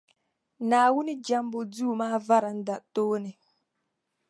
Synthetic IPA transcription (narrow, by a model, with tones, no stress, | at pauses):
naː˨wʊ˦nɪ˦d͡ʒa˦mbʊ˦duː˦˨maː˦va˦ɾa˨n̩˦da˨toː˦nɪ˨